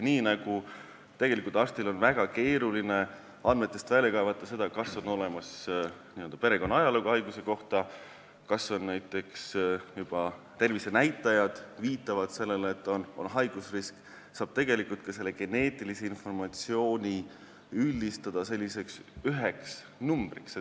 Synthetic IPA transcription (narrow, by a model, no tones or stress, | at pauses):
niːnɑɡ̥u | t̪e̞ɡ̥e̞likˑult̪ɑrst̪ilo̞nvæɡ̥ɑke̞ːɾuline̞ | ɑnme̞t̪ːˑe̞st̪vælʲːekɑevɑt̪ːˑɑse̞d̪ɑkɑsːo̞no̞le̞mɑsniø̞ld̪ɑpe̞ɾe̞ko̞nːɑɑjɑluɡuhɑjɡ̥use̞ko̞ht̪ɑ | kɑso̞nnæjt̪ːˑe̞ksjub̥ɑ | t̪e̞rvise̞næjt̪ˑːɑjɑd̪̥viːt̪ːˑɑvɑd̪̥se̞lːelːt̪ːˑo̞no̞̰nɦɑjɡ̥usrisk | sɑːb̥̚t̪e̞ɡe̞likˑult̪̚kɑse̞lːe̞ɡ̥e̞ne̞ːt̪ːˑilise̞info̞rmɑt̪sio̞ːnʲi | ylʲːist̪ɑd̪̥ɑse̞lʲːise̞ksyɦeks | numb̥riks